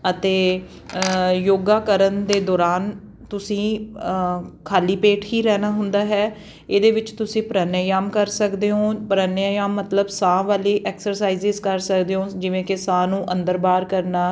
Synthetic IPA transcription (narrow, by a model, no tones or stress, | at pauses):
ət̪eː | joːɡaːkəɾənd̪eːd̪ɔːɾaːn | t̪ʊsĩː | kʰaːliːpeːʈɦiːɾɛːnaːɦʊnd̪aːɦɛː | eːd̪eːʋɪt͡ʃt̪ʊsĩːpəɾaːnjaːjaːmkəɾsəkd̪eːɦõːpəɾaːnjaːjaːmːət̪ləbsãːʋaːliːʔɛːksəɾsaːizɪzkəɾsəkd̪eːɦõːd͡ʒɪʋẽːkɪsãːnũːʔə̃nd̪əɾbaːɾkəɾnaː